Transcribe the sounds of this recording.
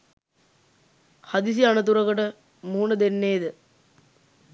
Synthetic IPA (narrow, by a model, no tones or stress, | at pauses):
had̪is̬ianət̪̬uɾɐkəʈə | muːnəd̪enːeːd̪ə